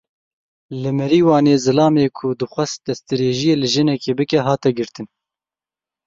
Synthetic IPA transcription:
lɨmɛɾiːwɑːneːzɨlɑːmeːkʰʊd̪ɨxʷɛsd̪̥ɛst̪ɨɾeːʒijeːlɨʒɨnɛkeːbɨkɛɦɑːt̪ɛɡɨɾt̪ɨn

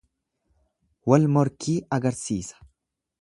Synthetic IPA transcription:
wɐlmɔɾkʰiːɐɡɐɾsiːsɐ̥

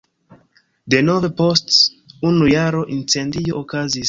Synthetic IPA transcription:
denovepostsunujaɾo̞ʔint͡sendio̞ːkazis

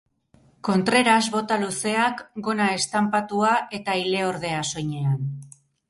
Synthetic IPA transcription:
ko̞nt̪ɾe̞ɾazβo̞t̪aluse̞akɡo̞nae̞st̪ampat̪uaʔe̞t̪aile̞o̞ɾð̞e̞aso̞jɲe̞an

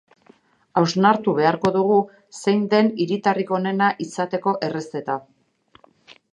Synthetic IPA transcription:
awznaɾt̪uβe̞aɾko̞ðuɣ̞u | se̞jnd̪e̞niɾit̪ariko̞ne̞naʔisat̪e̞ko̞ʔe̞re̞st̪e̞t̪a

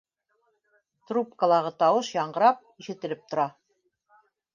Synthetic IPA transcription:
t̪rupkəlˠɑʁɤt̪ɑwɤʃjɑɴɢɤ̆ɾɑp̚iʃɘ̆t̪ɘ̆lɘp̚t̪ŏɾɑ

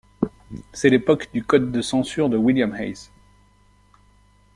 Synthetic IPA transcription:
sɛlepɔkd̪ykɔd̪ːəsɑ̃syʁd̪əwiljamhɛ̰js

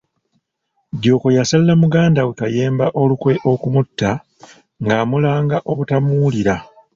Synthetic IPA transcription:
djo̞ːko̞jasallamuɡaːndawekaje̞ːmbaʔo̞lukwe̞ʔo̞kumutːa | ŋɡaːmulaːŋɡaʔo̞βutamuuliɾa

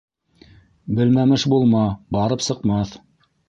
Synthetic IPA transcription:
bɘ̆lmæmɘʃbulˠmɑbɑɾɤpsɤ̆qmɑθ

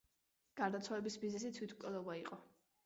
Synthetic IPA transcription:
ɡ̥aɾd̪at̪sʰwalɛbisbiznɛsit̪ʰwit̪ʰkʼɛlɔbaiqʼɔ

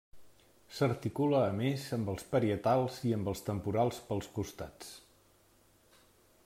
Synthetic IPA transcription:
səɾt̪ikuləːmezəmbəlˠspəɾiət̪alˠziəmbəlˠst̪əmpuɾalˠspəlˠskust̪at͡s

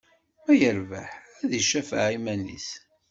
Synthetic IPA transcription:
mæjəɾvæ̰ħæðiʃæfaʕimænḭs

